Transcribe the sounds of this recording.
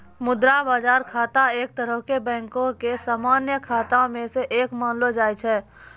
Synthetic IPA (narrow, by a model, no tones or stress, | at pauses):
mʊd̪ɾabaːd͡ʒaːɾkʰaːt̪aeːk̚t̪əɾəɦkebɛ̃ːŋkõkesaːmaːnjəkʰaːt̪ãmẽseʔeːkmaːnlod͡ʒaːjt͡ʃʰɛː